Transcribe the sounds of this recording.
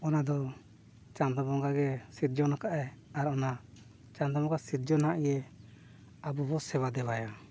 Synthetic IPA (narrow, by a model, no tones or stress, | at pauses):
ɔnad̪ɔ | t͡ʃand̪ɔbɔŋɡaɡɛsiɾ̚d͡ʒɔnakaʔɛaɾɔna | t͡ʃãnd̪ɔbɔ̃ŋɡasiɾ̚d͡ʒɔnaʔijɛ | abubɔsɛβad̪ɛbaja